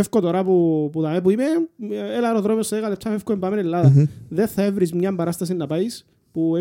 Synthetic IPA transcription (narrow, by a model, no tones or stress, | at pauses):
efkot̪oɾɐpupuðɐmep̬uimeelaɾoðɾomiosːɐeɣalep̚t͡ʃʰːɐfefkoembamenelːaðɐðeθɐevɾizmɲɐmbɐɾɐst̪ɐs̬inːɐpajis | pue